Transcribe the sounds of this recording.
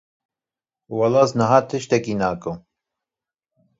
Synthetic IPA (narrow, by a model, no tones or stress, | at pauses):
wɑlɑsnəɦaːt̪ʰɨʃt̪ɛkinaːkɨ